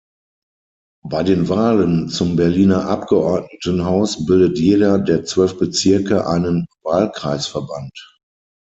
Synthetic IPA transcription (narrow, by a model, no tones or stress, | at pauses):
baɪdeːnvaːlənt͡sʊmbɛɐliːnɐʔap̚ɡ̥əʔɔɐtnətənɦaʊsbɪldətjeːdɐdeːɐt͡sv̥œlfb̥ət͡sɪɐkəʔa̰ɪnənvaːlkʁ̥aɪsfɛɐbant